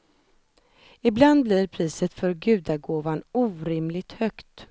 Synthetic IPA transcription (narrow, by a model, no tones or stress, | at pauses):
ɪbland̪̚blɪɾpʰɾiːsət̪fœɾɡʉ̟ːd̪aɡoːvanuːɾɪmlɪɡ̚t̪hœkt̪